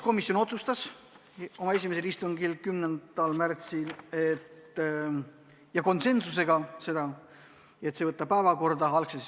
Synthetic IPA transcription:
ko̞misːjo̞no̞t̪sust̪ɑs | o̞mɑes̬ʲimese̞list̪uŋɡilkymnen̥ɑlmært̪silet̪ː | jɑko̞nse̞nsuse̞ɡ̥ɑse̞d̪̥ɑ | e̞t̪se̞vɤt̪ːˑɑpæevɑko̞rd̪̥ɑɑlkses

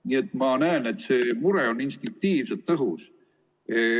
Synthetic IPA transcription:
nie̞t̪ːˑmɑnæene̞t̪ːse̞ːmuɾeo̞ninst̪iŋk̚t̪iːvset̪ːɤɦus

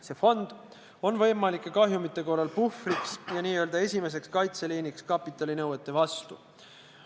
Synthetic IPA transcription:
se̞fo̞nd̪̥ | o̞nvɤ̞jmɑlikːˑe̞kɑɦjumit̪ːˑe̞ko̞lelpufriksjɑniːø̞ːld̪̥ɑe̞sʲime̞s̬e̞kskɑjt̪seliːnikskɑpːˑit̪ːˑɑlinɤwet̪ːˑe̞vɑst̪u

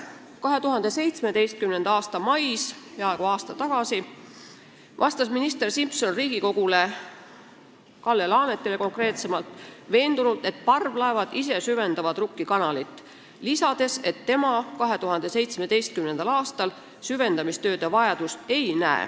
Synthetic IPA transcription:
kɑɦe̞t̪uɦɑnd̪e̞se̞jt̪sme̞d̪e̞jst̪̚kymne̞nd̪̥ɑɑːst̪ɑmɑjspeɑeɡ̥uɑːst̪ɑt̪ɑɡ̥ɑsi | vɑst̪ɑsminist̪e̞rsimpso̞nriːɡ̥iko̞ɡ̥ule̞ | kɑlːe̞lɑːne̞t̪ːˑe̞le̞ko̞ŋkre̞ːt̪se̞mɑlt̪ˑve̞ːnd̪ulult̪ˑe̞t̪̚pɑrvlɑevɑd̪̥is̬e̞syve̞nd̪̥ɑvɑd̪̥rukːikɑnɑlit̪ːˑ | lisɑd̪̥e̞se̞t̪ːe̞mɑkɑɦe̞t̪uɦɑnd̪̥e̞se̞jt̪sme̞d̪e̞jst̪̚kymne̞nd̪̥ɑlɑːst̪ɑl | syve̞nd̪ɑmist̪ø̞ːd̪evɑjɑd̪̥use̞jnæḛ

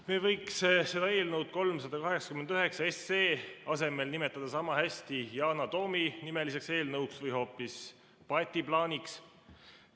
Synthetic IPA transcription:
meːvɤjksse̞d̪̥ɑe̞ːlnɤwd̪̥̚ko̞lms̬ɑd̪̥ɑkɑɦe̞ksɑkymend̪̥yɦe̞ksɑe̞sːeːɑse̞me̞lnime̞t̪ːˑɑd̪̥ɑsɑmɑhæsʲt̪ijɑːnɑt̪o̞ːminime̞lise̞kse̞ːlnɤwksvɤjɦo̞ːpːis | pɑt̪ʲːiplɑːnʲiks

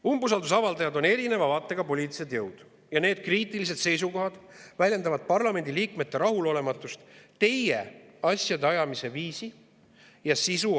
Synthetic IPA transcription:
umbus̬ɑld̪us̬ɑvɑld̪ɑjɑd̪o̞ne̞ɾine̞vɑvɑːt̪ːˑe̞ɡ̥ɑpo̞lʲiːt̪ːiset̪jɤwd̪̥ | jɑne̞ːd̪̥̚kriːt̪ːˑilis̬e̞d̪se̞js̬uko̞ɦɑd̪̥vælʲje̞nd̪ɑvɑd̪̥̚pɑrlɑme̞nʲd̪̥ʲiliːkme̞t̪ːe̞ɾɑɦulo̞le̞mɑt̪ːˑust̪t̪e̞jeɑsjɑd̪eɑjɑmise̞viːsi | jɑsisu

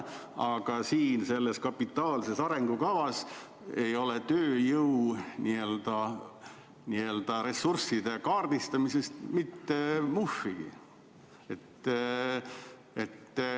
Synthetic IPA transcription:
ɑɡ̥ɑsiːnse̞lːeskɑpːit̪ːˑɑːlse̞sɑɾe̞ŋɡ̥ukɑvɑs | e̞jo̞let̪øːjɤwnie̞ld̪̥ɑ | nield̪̥ɑɾe̞sːursid̪̥e̞kɑːrd̪ist̪ɑmise̞st̪mit̪ːe̞mufːiɡ̥ḭ | e̞t̪ː | e̞t̪ː

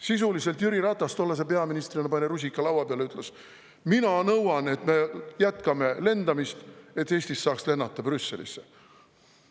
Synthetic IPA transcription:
sis̬ulise̞lt̪jyɾiɾɑt̪ːˑɑst̪o̞lːɑs̬ep̬e̞ɑminist̪rinɑpɑnʲeɾusʲikːˑɑlɑwɑpeɑleyt̪ːˑles | minɑnɤwɑne̞t̪me̞jæt̪kɑme̞le̞nd̪ɑmist̪e̞t̪ːˑe̞ːsʲt̪isːɑːksle̞nːɑt̪ːˑɑbrysːe̞lḭsːe

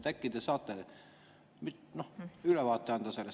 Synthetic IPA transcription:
t̪ækːid̪esɑːt̪ːˑe | mit̪nohylɛvɑːt̪ːˑeɑnd̪̥ɑselːes

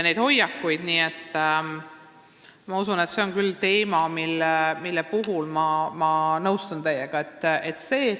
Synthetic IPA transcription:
ne̞jd̪̥ho̞jɑkːujd̪̥niːe̞t̪ː | mɑusune̞t̪se̞o̞nkylːt̪e̞ːmɑmilːmilːepuɦulmɑmɑnɤwst̪ɑnt̪ejːeɡ̥ɑe̞t̪ːe̞t̪ːse̞ː

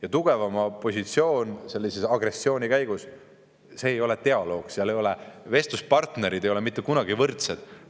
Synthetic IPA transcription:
jɑt̪uɡ̥e̞vɑmɑpo̞sʲit̪sio̞ːnse̞lʲːisesɑɡ̥re̞sːio̞ːnʲikæjɡ̥us | se̞ːjo̞le̞t̪e̞ɑlo̞ːɡ̥seɑlejo̞leve̞st̪uspɑrt̪ne̞ɾid̪e̞jo̞lemit̪ːekunɑɡivɤrt̪sed̪̥

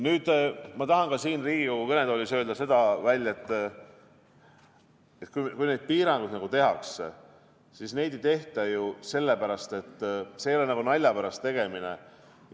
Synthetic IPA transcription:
nyːd̪̥mɑt̪ɑɦɑnkɑsiːnriːɡ̥ikokukɤne̞d̪̥olʲisø̞ːld̪ɑse̞d̪ɑvælʲːe̞t̪ːˑ | et̪kujkujne̞d̪̥̚piːɾɑŋɡ̥ud̪nɑɡ̥ut̪e̞ɦɑkse | sisne̞jd̪e̞jt̪e̞ht̪ɑjuse̞lːe̞pæɾɑst̪e̞t̪ːˑse̞jolenɑɡunɑlʲjɑpæɾɑst̪ːe̞ɡ̥e̞mine̞̰

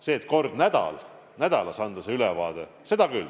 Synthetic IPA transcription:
se̞ːt̪ˑko̞rd̪̥næd̪̥ɑ̰l | næd̪̥ɑlɑsɑnd̪̥ɑseylɛvɑːd̪̥e | se̞d̪̥ɑkyl

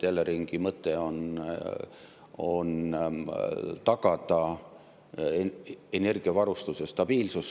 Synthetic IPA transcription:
t̪eleɾiŋɡ̥imɤt̪ːˑe̞o̞n | o̞n | t̪ɑɡ̥ɑd̪ɑ | e̞ne̞rɡ̥iɑvɑɾust̪usest̪ɑb̥iːlsus

